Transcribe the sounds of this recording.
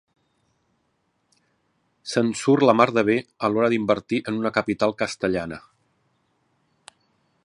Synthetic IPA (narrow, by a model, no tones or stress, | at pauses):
sənsurləmaɾðəβ̞eəlɔɾəðimbəɾt̪iʔənunəkəpit̪alˠkəst̪əʎanə